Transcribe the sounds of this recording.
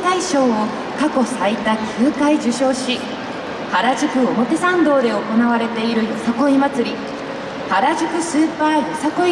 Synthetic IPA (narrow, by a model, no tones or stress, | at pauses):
t̪aiɕo̞ːo | kako̞sait̪akʲʰɨːkaid͡ʑɨɕo̞ːɕi | haɾaʑikɯ̟o̞mo̞t̪e̞sãnd̪o̞ːd̪e̞o̞ko̞naβaɾe̞t̪e̞iɾɯ̟jo̞sako̞imat͡sɨɾʲi | haɾaʑɨkɯ̟sɨːpaːjo̞sako̞